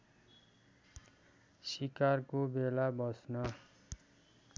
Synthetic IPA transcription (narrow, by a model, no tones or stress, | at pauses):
sikarkobelabʌsnʌ